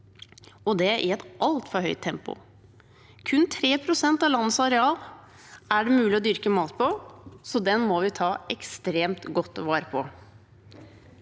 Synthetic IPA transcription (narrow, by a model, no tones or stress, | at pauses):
ɔd̪ɛʔɪ̰ɛt̪ʔɑlt̪fɔɾhœʏt̪t̪ʰːɛmpʊ̰ | kʰʉnt̪ʰɾeːpʰɾʊsɛnt̪ɑʋlɑnːəsɑɾɛɑːl | æɖɛmʉːlɪɔd̪ʏɾkəmɑːt̪pʰɔsɔd̪ɛnmɔʋɪt̪ʰɑːɛkst̪ɾeːmt̪ɡɔt̪ːʋɑːɾəpʰɔ